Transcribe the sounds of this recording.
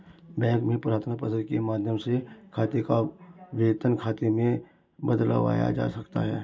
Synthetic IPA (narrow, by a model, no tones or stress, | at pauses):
bɛ̃ːŋkmẽpɾaːt̪ʰnapəzəɾkemaːd̪ʱjəmsekʰaːt̪ekaʋeːt̪ənkʰaːt̪emẽ | bəd̪lə̰ʋa̰ːja̰d͡ʒa̰ːsɐkt̪a̰ɦɛː